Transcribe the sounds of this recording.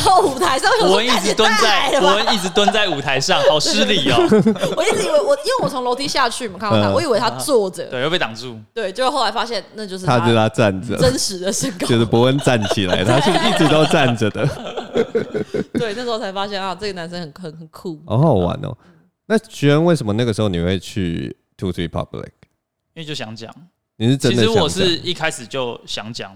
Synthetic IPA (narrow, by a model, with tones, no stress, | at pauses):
a˥˩u˨˩t̪ʰa˧˥ɪʂa˥ŋwɔ˦˥ə˥˧ni˥˩t͡sɻ̩˧˦t̪wa˦nt͡sa˥˩ɪpə˥˧˦ni˥˩ʈ͡ʂɻ̩˧˥t̪wa˦˥nt͡sa˥˩ɪu˨˩t̪ʰa˧˦ɪʂɑ˥˨ŋhɑ˨˩ʊʂɻ̩˥li˩˨˩wɔ˨˦i˥˩t͡s̩˧˥i˨˩we˥˩ɪwɔ˨˩i˧˦nwe˥˩wɔ˨˩t͡sʰo˧˥ŋlo˧˥t̪ʰi˥ɕja˥˧t͡ɕʰy˥˩˨mə˨˩kʰa˥˩a˥˨wɔ˧˦i˨˩we˥ɪt̪ʰa˥˨t͡swɔ˥˩d͡zə˨˩˥jpe˥˩ɑ˨˩ŋt͡su˥˩t̪we˥˩ɪt͡ɕjo˥˧ʊo˥xo˥˩ʊla˧˥ɪfa˥ɕjɛ˥˧nna˥˧t͡ɕjo˥˧ʊʂ̬̩˥t̪ʰa˦ɛ˧˥də˨˧t̪ʰa˥ʈ͡ʂa˥˨˩nd͡zə̰˨ə˦nʂɻ̩˨˧˦d̪ə˧ʂ̩˥˩kjɛ˧d̪ə˧˩pu˧˦ə˧˦nt͡sa˥˨nt͡ɕʰi˨˩la̰˧˦ɪt̪ʰa˥ɕi˥˧i˥˩t͡sɻ̩˧˥˦t̪ɑ˥˧ʊʈ͡ʂa˥˨nd͡zə˩d̪ə˩ | twe˥˩ɪna˥˩ʂɻ̩˧˥o˥t͡sʰa˧˥ɪfa˥ɕjɛ˥˨na˥˧ʈ͡ʂə˥˩ɡə˩na˧˦nʂə˦nxə˨˩nxə˨˩nxə˨˩nkʰu˥˩ʔɔ̰˨˦˥wa̰˧˦nɔ̰˨ | na˥˩ɕy˧˥ə˧˦nwe˥˩ɪʂə˨˦mə˦na˥˩ɡə˩ʂɻ̩˧˥xo˥˩ni˨˩xwe˥˩ɪt͡ɕʰy̰˥˧ | t̪ʰu˦t̪ʰwi˥˩pʰɑ̰˦blḭ˨˩k̚ | i˥nwe˥˧˨t͡ɕjo˥˩ɕja˧˦ŋt͡ɕja̰˨˩˦ŋ | ni˨˩ʂɻ̩˥˨˩ʈ͡ʂə˦i˧nd̪ə˨wɔ˨˩ʂɻi˥˧kʰa˦ɪʂɻ̩˨˩t͡ɕjo˥˩ʊɕjɑ˧˦ŋt͡ɕja̰˨˩˦ŋ